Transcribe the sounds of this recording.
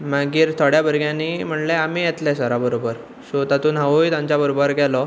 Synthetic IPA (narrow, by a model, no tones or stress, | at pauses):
maɡiːɾt̪ʰoɽjabʱəɾɡjãnːiːm̤əɳleamiːjet̪lesəɾabəɾobəɾ | sot̪at̪uːnɦaʋujt̪ãɲt͡ɕabəɾobəɾɡɛlɔ